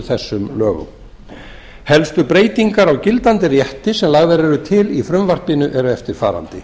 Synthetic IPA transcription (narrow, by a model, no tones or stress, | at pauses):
θɛsːʏmlœːɣʏ̰m | hɛlst̪ʏpɾeːjt̪iŋkaɾawcɪlt̪ant̪ɪrjɛht̪ɪsɛmlaɣvɛɾɛɾʏt̪ʰɪlifɾʏmvar̥pɪnʏʔɛɾʏɛft̪ɪɾ̥fa̰ːɾa̰nt̪ɪ̰